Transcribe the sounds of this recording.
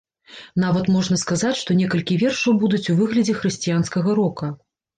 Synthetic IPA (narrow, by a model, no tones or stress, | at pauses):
navɐt̪mɔʐnɐskazat͡sʲʂt̪ɔnʲɛkɐlʲkʲivʲɛrʂɐwbud̪ut͡sʲuvɨɣlʲɐd͡zʲɛxɾɨsʲt͡sʲijanskɐɣɐɾɔkɐ